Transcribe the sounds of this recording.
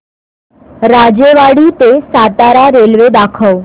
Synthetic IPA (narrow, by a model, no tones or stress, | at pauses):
ɾad͡ʑeʋaɽiːt̪esat̪aɾaɾelʋed̪akʰəw